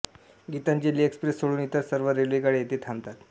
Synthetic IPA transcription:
ɡit̪aɲt͡ɕelːiːekspɾesːoɽuːnit̪əɾsəɾʋəɾelʋikaɽeet̪eːt̪ʰamt̪at̪

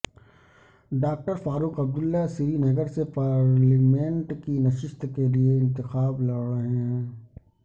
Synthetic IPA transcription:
ɖaːk̚ʈəɾfaːɾuːqɐb̚d̪ʊlːasɪɾinɐɡəɾsepaːɾlimẽɳʈkinɐʃɪst̪kelieɪ̃nt̪ɪxaːblɐɽeɦɛ̃ː

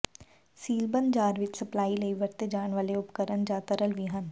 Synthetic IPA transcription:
siːlbə̃nd̪d͡ʒaːɾʋɪt͡ʃsəplaːiləiʋəɾt̪ed͡ʒaːɳʋaːleʊpkəɾənd͡ʒaːt̪əɾəlʋiɦən

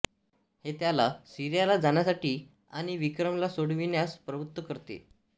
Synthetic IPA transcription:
het̪jalasiɾjalad͡zaɳjasaʈiː | aɽ̃iʋikɾəmlasoɽʋinjaspɾəbut̪wəkəɾt̪ḛ

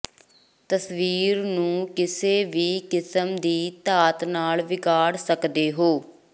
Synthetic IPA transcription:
t̪əsʋiːɾnũːkɪseːʋiːkɪsəmd̪iːt̪aːt̪naːlʋɪkaːɽsəkd̪eːɦoː

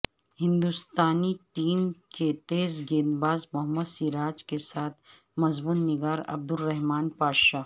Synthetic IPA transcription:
hɪ̃nd̪ust̪aːniʈiːmket̪eːzɡeːnbaːzmʊɦəmːəd̪siːɾaːd͡ʒkesaːt̪ʰ | mɐzbuːnːɪɡaːɾɐ̰b̚d̪ʊlːɛɦmaːnpaːʃaː

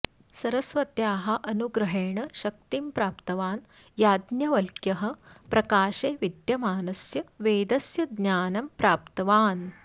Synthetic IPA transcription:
sɐɾɐsʋɐt̪jaːɦɐ̆ʔɐnuɡɾɐɦeːɳɐʃɐk̚t̪impɾaːpt̪ɐʋaːn | jaːd̪njɐʋɐlkjɐɦɐ̆pɾɐkaːʃeːʋid̪jɐmaːnɐsjɐʋeːd̪ɐsjɐɡnaːnɐmpɾaːpt̪ɐʋaːn

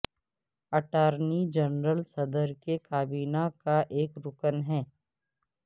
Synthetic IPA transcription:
ɐʈaːɾnid͡ʒənɾəlsɐd̪əɾkekaːbiːnakaʔeːkɾʊkənɦɛː

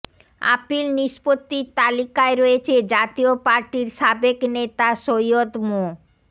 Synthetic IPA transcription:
a̰pilniʃpot̪ːit̪alikaeɾoet͡ɕʰed͡ʑat̪iopaɾʈiɾʃabeknet̪aʃojod̪mo

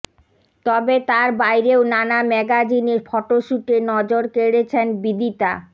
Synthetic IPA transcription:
t̪ɔbet̪aɾbajɾeonanamɛɡad͡ʑinefʰɔʈoʃuʈenɔd͡ʑoɾkeɽet͡ɕʰenbid̪it̪a

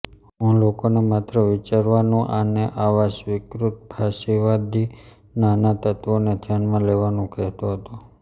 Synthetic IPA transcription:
ɦũlokonemat̪ɾəʋit͡ʃaɾʋanũʔaneʔaʋaʃʋɪkɾut̪̚pʰaʃiʋad̪i | nanat̪ət̪ʋonet̪ʰjanmãleʋanũkɛɦt̪oɦət̪u

